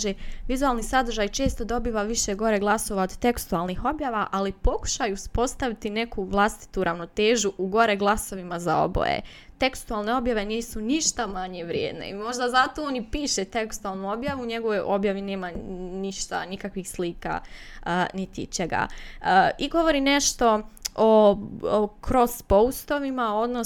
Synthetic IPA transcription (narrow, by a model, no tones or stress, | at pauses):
ʒeʋizualˠnisad̪r̩ʒajt͡ʃe̞ːst̪o̞d̪o̞biːʋaʋiʃeɡo̞ɾe̞ɡlˠaso̞ʋaod̪t̪e̞kst̪ualˠnixo̞bjaːʋaʔalipo̞ku̥ʃajuuspo̞st̪aʋit̪ine̞kuʋlˠast̪i̥t̪uɾʔaʋno̞t̪e̞ːʒuʔuɡo̞ɾe̞ɡlˠaso̞ʋimazao̞̰bo̰jḛ | t̪e̞kst̪ualˠne̞o̞bjaʋe̞niːsuniʃt̪amaɲeʋɾjḛːd̪nḛimo̞ʒd̪azat̪oonipiːʃet̪e̞kst̪ualˠnuo̞bjaʋuuɲe̞ɡo̞ʋo̞jʔo̞bjaʋine̞ːmaniʃt̪a̰nikakʋixsliːka̰ənit̪it͡ɕeɡa̰əːiɡo̞ʋo̞ɾine̞ʃt̪o̞o | kɾo̞spo̞ust̪o̞ʋimao̞d̪no